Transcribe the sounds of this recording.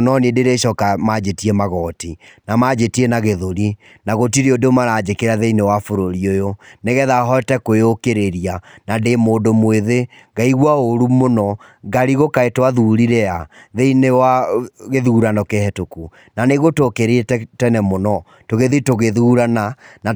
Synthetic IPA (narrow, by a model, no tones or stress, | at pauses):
nɔnedeɾeʃɔkamad͡ʒetiɛmaɣɔːtinamad͡ʒetienaɣeðoɾi | naɣotiɾeodomaɾad͡ʒekeɾaðeinewafoɾoɾiojoneɣɛðaɦɔtɛkoeokeɾeɾianademoːdomweðe | ɡaiɣwaoɾumonɔ | ɡaɾiɣokaetwaðuɾiɾɛaðeinewaɣeðuːɾanɔkehɛtoku | naneɣotokeɾetɛtɛnɛmonɔ | toɣeðitoɣeðuɾanana